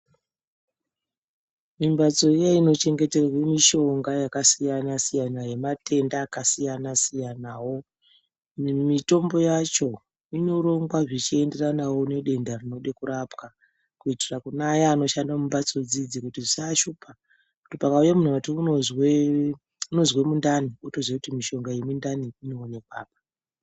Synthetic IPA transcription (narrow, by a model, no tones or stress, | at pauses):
mimbat͡so̞ijaino̞t͡ʃe̞ŋɡe̞te̞rawemiʃo̞ŋɡajakasijanasijanaje̞matʰe̞ndaːkasijanasijanawo̞ | mito̞mbo̞jat͡ʃo̞ | ino̞ɾo̞ŋɡwaʐit͡ʃie̞nde̞ranawo̞ne̞ɗe̞ndarino̞ɗekuɾapka | kuitirakunajaːno̞ʃandamumbat͡so̞d͡zid͡zikutiʐisaʃuːpa | kutipakaujamun̤uʋatiuozwe | uno̞zwe̞mundaniotozwekutimiʃo̞ŋɡajemundaniino̞ːnekwa̰ːpḁ